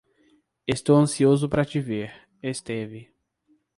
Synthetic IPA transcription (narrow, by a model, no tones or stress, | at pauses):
est̪owɐ̃siozʊpɾɐt͡ʃɪveɾ | est̪ɛvɪ